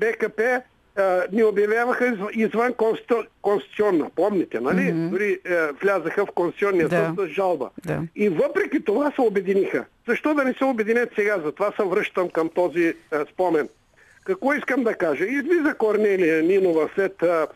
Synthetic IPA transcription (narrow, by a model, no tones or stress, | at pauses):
bɛkɐpɛ | niobjɐvjavɐxəizvənkonskõnst̪it̪siɔnːɐpɔmnɛt̪ɛnɐlid̪ʊɾivlʲazəxɐfkonst̪it̪siɔnːijəot̪sɐzʒalˠbɐ̰d̪aivəpɾɛkʲit̪ovasɛobɛd̪inixə̰z̥ɐʃt̪ɔd̪ɐnɛsɛobɛd̪inɛt̪sɛɡazɐt̪ovasɐvɾɤʃt̪əmkɐmt̪ɔzispɔmɛn | kɐkvɔiskəmd̪ɐkaʒəizvizɐkoɾnɛlijɐninovɐslɛt̪ə